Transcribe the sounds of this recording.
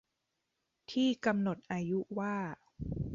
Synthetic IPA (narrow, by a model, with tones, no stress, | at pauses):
t̪ʰiː˥˩ka˧mno˨˩t̪̚ʔaː˧ju˦˥waː˥˩